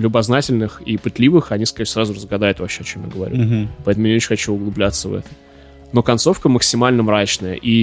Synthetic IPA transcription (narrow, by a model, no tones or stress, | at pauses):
lʲʊbɐznatʲɪlʲnɨxipɨt̪lʲivɨxɐnʲiskɐɾʲesɾazʊrəzɡɐd̪ajʊt̪vɐpɕeɐt͡ɕo̞mja̰ɡəvɐ̰ɾʲupɐɛt̪əmʊjnʲɪot͡ɕɪnʲxɐt͡ɕuʊɡlˠʊblʲat̪səvɛ̰t̪ə | no̞kɐnso̞fkəməksʲɪmalʲnəmɾat͡ɕnəjə̰ʔi